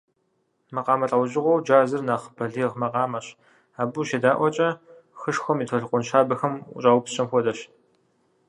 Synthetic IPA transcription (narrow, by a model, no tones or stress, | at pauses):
mɐqɑːmɐɬʼɐwʑɪʁʷɔwd͡ʒaːzɨrnaːχbʰɐɮiːʁmɐqɑːmɐɕ | aːbuʃeːdaːʔʷɔt͡ʃʼɐ | xɨʂxʷɔmiːtʰɐɮqʷʊnʃaːbɐxɐmṵt͡ʃʼaːwpɕʼɐmxʷɔdɐɕ